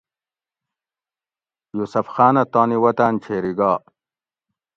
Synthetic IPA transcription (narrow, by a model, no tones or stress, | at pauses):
jusɐfxaːnɐt̪aːniwɐt̪aːnt͡ɕʰeːɾiɡaː